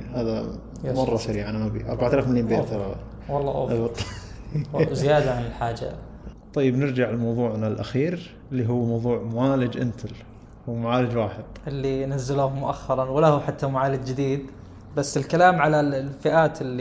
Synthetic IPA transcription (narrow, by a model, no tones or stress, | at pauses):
haːða | mɑrˤːɑʃaɾiːʕaʔanamabḭʔɑ̰ɾˤbaʕt̪alaːfmaljiːmbeːt̪aaa | wɑlˤːɑːʔa̰ʔɑt̪ːˤ | zɪjaːd̪aʕanɪlħaːd͡ʒa̰t̪ˤɑjːɪbnɪɾd͡ʒaʕɪlmɑwðˤuːʕnalʔa̰xiːɾ | ɪlːiɦʊwːmɑwðˤuːʕmʊʕaːlɪd͡ʒʔɪnt̪ʰɪl | humʊʕaːlɪd͡ʒwaːħɪd̪̥̚ʔɪlːinazːɪluːhmʊʔaxːɑɾˤɑnwɪlahuħat̪ːamʊʕaːlɪd͡ʒd͡ʒɪd̪iːd̪ | basːɪlkalaːmʕalalfɪʔaːt̪ɪlːi